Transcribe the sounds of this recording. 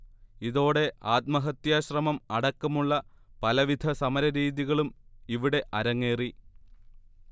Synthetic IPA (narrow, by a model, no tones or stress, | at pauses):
iðo̞ːɽe̞aːt̪̚mɐɦɐt̪jaːɕrɐmɐmɐɽɐkːɐmuɭːɐ | pɐlɐʋid̪ʱɐsɐmɐɾɐɾiːðiɣɐɭumiʋiɽe̞ʔɐɾɐŋːe̞ːri